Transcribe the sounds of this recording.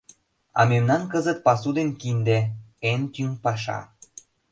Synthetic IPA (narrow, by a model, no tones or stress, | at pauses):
ɑ̰memnɑnkəzət̪̚pɑsud̪enkind̪eent̪ympɑʃɑ̰